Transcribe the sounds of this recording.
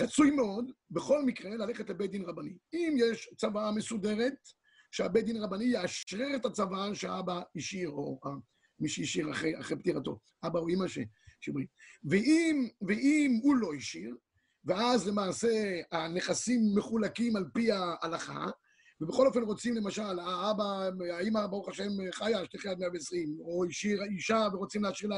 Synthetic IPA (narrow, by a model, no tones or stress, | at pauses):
ʁat͡sujmeo̞d̪beχo̞lmikʁe̞lale̞χetlebed̪inʁabaniimjeʃt͡savame̞sud̪e̞ʁe̞t̪ | ʃeabed̪inaʁabanijeaʃʁeʁet̪at͡savaʃeabaiʃiʁoa | miʃeiʃiʁa̰χea̰χept̪iʁat̪o̞̰ | ʔabauimaʃḛ | ʃibʁiveʔimveʔimulo̞iʃiʁ | veazlemaːse̞aneχasimːe̞χulakimalpiaʔːlaχa̰ | vebeχo̞lo̞fenʁo̞t͡simle̞maʃalaabaaimabaʁuχaʃe̞mχajaʃteχajadmejaveesʁimoiʃiʁaiʃaveʁo̞t͡simleaʃiʁla